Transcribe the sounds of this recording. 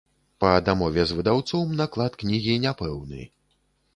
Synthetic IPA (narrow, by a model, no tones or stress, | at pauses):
pɐd̪amɔvʲɛzvɨd̪awt̪sɔwmnaklˠat̪knʲiɣʲinʲapɛwnɨ̰